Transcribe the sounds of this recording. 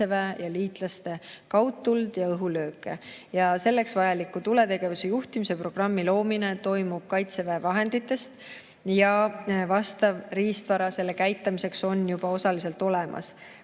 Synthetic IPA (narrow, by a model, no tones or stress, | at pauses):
evæjɑliːt̪ˑlɑst̪e̞kɑwt̪ːuld̪̥jɑɤɦulø̞ːkːˑe̞̰jɑse̞lːe̞ksvɑjɑlikːˑut̪ule̞t̪e̞ɡ̥e̞vusejuht̪imise̞pro̞ɡ̥rɑmːilo̞ːmine̞t̪o̞jmub̥kɑjt̪se̞væːvɑɦe̞nd̪̥it̪ːˑe̞st̪ | jɑvɑst̪ɑvriːst̪vɑɾɑse̞lːe̞kæjt̪ːˑɑmise̞kso̞njub̥ɑo̞sɑlise̞lt̪o̞le̞mʔɑ̰s